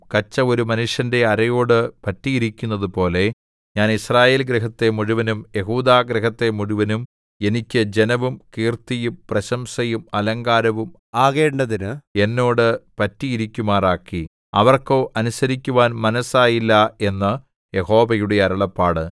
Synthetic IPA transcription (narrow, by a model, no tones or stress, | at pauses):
kɐt͡ɕːɐo̞ɾumɐnuʂjɐnde̞ɐɾɐjo̞ːɽɨpɐtːijiɾikʲːunːɐðupo̞ːle̞ | ɲaːnisraːje̞ːlɡɾiɦɐt̪ːe̞muɻuʋɐnumjeɦuːd̪aːɡɾiɦɐt̪ːe̞muɻuʋɐnum | e̞nikʲːɨd͡ʑe̞nɐʋumkiːrt̪ijumprɐɕɐmsɐjumɐlɐŋɡaːɾɐʋum | aːɣeːɳɖɐðinɨe̞nːo̞ːɽɨpɐtːiiɾikʲːumaːraːkːi | ɐ̰ʋɐrko̞ːʔɐnusɐɾikʲːuʋaːnmɐnɐsaːjilːɐe̞nːɐ | je̞ɦo̞ːbɐjuɽeɐɾɐɭɐpːaːɽɨ